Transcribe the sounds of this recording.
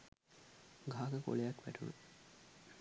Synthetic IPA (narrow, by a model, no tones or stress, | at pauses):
ɡʱaːkəko̰lejɐkʋæ̰ʈunu